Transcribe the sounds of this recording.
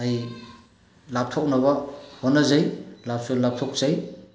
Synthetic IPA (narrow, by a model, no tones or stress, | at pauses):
aj | lap̚tʰɔk̚naβɐhonːazajlap̚sulap̚tʰɔk̚z̥aj